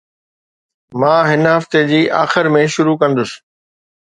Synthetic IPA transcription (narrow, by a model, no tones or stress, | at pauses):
mãːɦɪnɦɐft̪ed͡ʑiːʔaːxɪɾmẽʃʊɾukɐ̃nd̪ʊsɪ̥̆